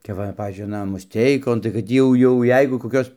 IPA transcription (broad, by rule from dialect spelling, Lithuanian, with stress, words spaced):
kɐp ˈʋɐ ˈpɑːʋʲiːzʲd͡ʒʲʊɪ ɐˈnɐ mʊsʲˈtʲɛɪkoːn tɐɪ kɐt ˈtʲiː jɛʊ jɛʊ ˈjɛɪɡʊ koːˈkʲoːs